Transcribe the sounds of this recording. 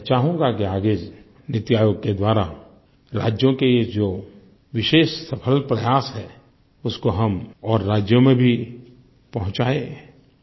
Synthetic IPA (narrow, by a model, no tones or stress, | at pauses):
t͡ʃaːɦũŋɡakiaːɡed͡ʒ | nɪt̪jaːjoːɡ̚ked̪waːɾa | ɾa̰ːd͡ʒjõkeed͡ʒoː | ʋɪʃeːʃsɐpʰəlpɾɐjaːsɦɛː | ʊskoɦɐmɔːɾːaːd͡ʒjõmẽbʱi | pɐɦʊ̃t͡ʃaːẽ